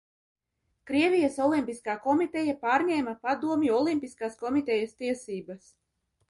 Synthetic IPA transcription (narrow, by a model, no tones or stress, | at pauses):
kɾiɛvijasɔlˠimpiskaːkɔmit̪ɛjapaːɾɲɛːmapad̪uɔmʲjuɔlˠimpiskaːskɔmit̪ɛjast̪iɛsiːbas